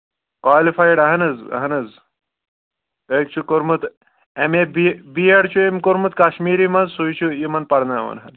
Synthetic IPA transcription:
kʋaːlifajɽɐɦɐnɐzɐ̰ɦɐnɐz | ek̚t͡ʃʰukoɾmut̪ | emebibiaɽt͡ʃuemkoɾmut̪̚kaɕmiːɾimɐnzsujt͡ʃʰujimɐnpɐɽnaːʋɐ̰nɦɐn

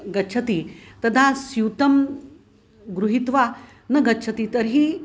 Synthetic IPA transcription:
ɡɐtːt͡ʃʰɐt̪it̪ɐd̪ʱasjut̪ɐm | ɡɾuɦit̪ʋa | nɐɡɐtːt͡ʃʰɐt̪it̪əɾɦi

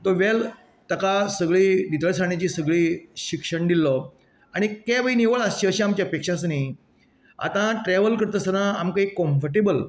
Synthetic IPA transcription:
t̪ɔʋel | t̪əkasəɡɭiːd̪it̪əɭsaɽ̃at͡ɕiːsəɡɭiːɕikʂəɳd̪ilːɔ | aɽ̃ikɛ̃ʋəiniʋəɭast͡ɕiəɕeamt͡ɕjaəpekʂãsni | a̰t̪ãʈɾɛʋəlkəɾt̪əsənaamkaikɔ̃mfəɾʈ̬ebəl

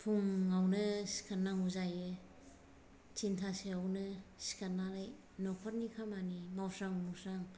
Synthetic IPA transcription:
pʰuŋːawnɯsi̥kʰanːaŋuzajɯ | t͡ʃintʰaseawnɯsi̥kʰanːaɾaj | nɔkʰɔt̚nikʰamanimawsaŋmuwsaŋ

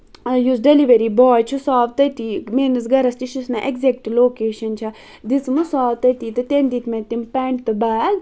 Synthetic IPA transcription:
jus̬ɖeliʋɐɾibɔːjt͡ʃʰusaːʋt̪ɐt̪iːmenɨs̬ɡɐɾɐst̪iʃusnaʔekzek̚ʈloːkeːʃɐnt͡ʃʰɐ | d̪ismɨsaːʋt̪ɐt̪it̪ɨt̪end̪iːt̪met̪ːimpɛɳʈ̚t̪ɨbaːɡ

